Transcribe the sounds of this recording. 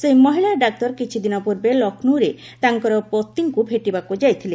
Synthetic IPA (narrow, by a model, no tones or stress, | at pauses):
sejmɔɦiɭaɖak̚t̪ɔɾkit͡ʃʰid̪inɔpuɾbelɔknuɾe | t̪aŋkɔɾɔpot̪ːiŋkubʱeʈibakud͡ʒajt̪ʰile